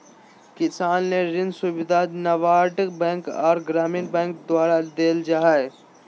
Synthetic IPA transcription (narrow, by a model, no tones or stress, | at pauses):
kɪsaːnːeɾɪnsʊʋɪd̪ʱanɐʋaːʈbɛ̃ːŋkɔ̰ːɾɡɾaːmɪnbɛ̃ːŋk̚d̪waːɾad̪eːld͡ʒaːɦae